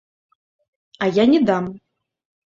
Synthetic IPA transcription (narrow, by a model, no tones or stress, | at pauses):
ajanʲɛd̪am